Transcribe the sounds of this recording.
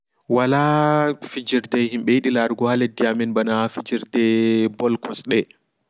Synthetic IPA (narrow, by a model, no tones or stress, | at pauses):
walafid͡ʒiɾdɛhimɓɛjiɗilaɾɡɔhalɛdiamɛnbanafid͡ʒiɾdɛbɔlkɔsɗɛ